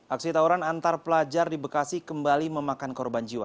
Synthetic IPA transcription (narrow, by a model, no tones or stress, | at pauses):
ʔak̚sit̪auɾanant̪arpəlad͡ʒardibəkasikəmbaliməmakankɔrband͡ʒiwa̰